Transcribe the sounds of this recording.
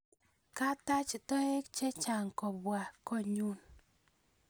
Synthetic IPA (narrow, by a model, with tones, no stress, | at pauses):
ka˦ta˦t͡ʃtɔ˦ɪ˦kt͡ʃe˦t͡ʃa˨ŋkɔ˨bwa˨kɔ˦ɲu˦n